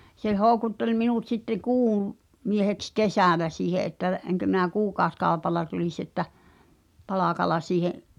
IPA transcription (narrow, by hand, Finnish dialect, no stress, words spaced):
se hoˑu̞kutːel minut sitːe kuːw mieheks kesæˑlæ siːhe ʔetːæ eŋkø mi̞n̆æ kuːkɑoskɑˑopɑlːɑ tulis etːæ pɑlɑˑkɑlɑ siːheʔ